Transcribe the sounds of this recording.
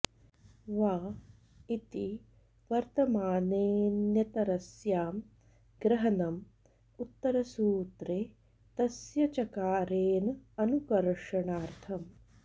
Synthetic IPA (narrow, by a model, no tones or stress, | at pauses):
ʋaː | it̪i | ʋɐɾt̪ɐmaːneːnjɐt̪ɐɾɐsjaːm | ɡɾɐɦɐnɐm | ut̪ːɐɾɐsuːt̪ɾe | t̪ɐsjɐt͡ʃɐkaːɾeːnɐɐnukɐɾʂɐɳaːɾt̪ʰɐm